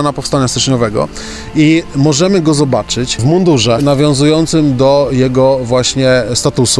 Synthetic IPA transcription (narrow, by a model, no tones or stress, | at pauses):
napɔfst̪aɲast̪ɘt͡ʂɲɔvɛɡɔ̰ | imɔʐɛmɘɡɔzɔbat͡ʂɘt͡ɕvmund̪uʐɛnavʲjɔ̃w̃zujɔnt̪sɘmd̪ɔjɛɡɔvwaɕɲɛst̪at̪usu